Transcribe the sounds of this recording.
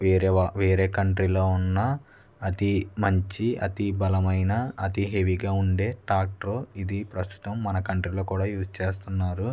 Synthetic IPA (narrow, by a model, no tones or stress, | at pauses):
ʋeːɾʋeːɾe̞ːkɐɳʈɾilo̞ːunːɐː | t̪imɐɲt͡ʃiɐ̰t̪ibɐlɐmɐjnɐɐt̪iɦe̞ʋiɡaːuɳɖe̞ːʈaːk̚ʈɾoːid̪ipɾɐst̪u̥t̪ɐmːɐnɐkɐɳʈɾilo̞ːkuːɽaːjuːst͡ʃe̞ːst̪unːaːɾu